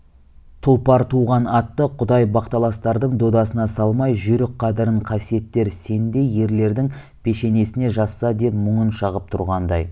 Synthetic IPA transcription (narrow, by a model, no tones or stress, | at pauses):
t̪ʰʊlˠpɑɾt̪ʰuʁɑnɑt̪ːəqʰʊd̪ɑjbɑqt̪ɑlˠɑst̪ɑɾd̪əɴd̪o̞d̪ɑsənɑsɑlˠmɑjʒʏɾɪk̚qʰːɑd̪ɪɾəɴqʰɑsije̞t̪ːe̞ɾse̞nd̪e̞jːe̞ɾle̞ɾd̪ɪŋ | pʰe̞ʃe̞ne̞sɪne̞ʒɑsːɑd̪e̞pmʊɴənʃɑʁəp̚t̪ʰʊɾʁɑnd̪ɑ̰j